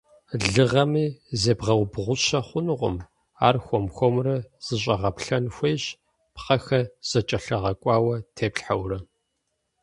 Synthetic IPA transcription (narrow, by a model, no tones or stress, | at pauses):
ɮɨʁɐmiːzeːbʁɐwbʁʷʊɕɐχʷʊnɨʁʷʊ̰m | aːrxʷɔmxʷɔmrɐz̥ɨɕ̬ʼɐʁɐpɬɐnxʷeːɕ | pχɐxɐz̥ɐt͡ʃʼɐɬɐʁɐkʷʼɑːwɐtʰeːpɬħawrɐ